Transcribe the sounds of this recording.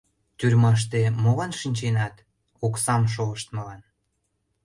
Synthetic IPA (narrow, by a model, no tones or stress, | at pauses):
t̪yrʲmɑʃ̬t̪emolɑnʃinʲt͡ɕenɑt̪ | oksɑmʃ̬oəʃt̪məlɑn